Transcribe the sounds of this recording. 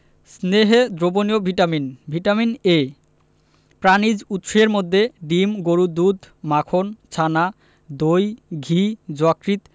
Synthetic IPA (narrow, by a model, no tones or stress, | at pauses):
sneɦed̪ɾoboniobʱiʈaminbʱiʈamine | pɾanid͡ʑut̪ːʃeɾmod̪ʱːeɖimɡoɾud̪ud̪ʱmakʰont͡ɕʰana | d̪ojɡʱid͡ʑɔkɾit̪